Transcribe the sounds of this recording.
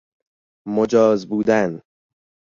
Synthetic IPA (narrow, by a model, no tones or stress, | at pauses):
mod͡ʒɒːzbuːd̪æn